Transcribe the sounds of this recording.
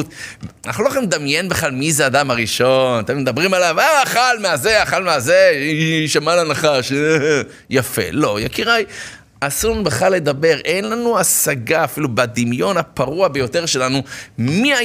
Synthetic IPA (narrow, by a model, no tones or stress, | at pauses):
utaχloaχemd̪amje̞nbeχlalmizeaːd̪amaʁiʃo̞nat̪e̞med̪abʁimalavaaχalmeazeaχalmeazeʃamalanaχaʃ | jafe̞̰lo̞jakiʁaj | asuʁnubeχlalːe̞d̪abe̞ʁʔenlanuasaɡaːfilubad̪imjo̞napaʁuabe̞jo̞t̪eʁʃe̞lanumia